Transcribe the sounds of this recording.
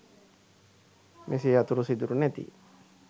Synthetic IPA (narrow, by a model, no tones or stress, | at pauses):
mʔesiat̪uɾusid̪uɾunɛt̪ḭ